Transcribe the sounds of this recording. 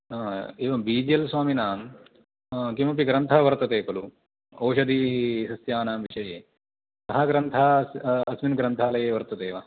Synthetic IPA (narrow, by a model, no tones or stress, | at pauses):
eːʋɐmbiːd͡ʒijɐlswaːminaːm | kimɐp̬iɡɾɐnt̪ʰɐʋɐɾt̪ɐt̪eːkɐlu | ɐːʃɐd̪isɐsjaːnaːmʋiʂɐjeː | sɐɦɐɡɾɐnt̪ʰaɐsminɡɾɐnt̪ʰaːlɐjeːʋɐɾt̪ɐt̪eːʋɐ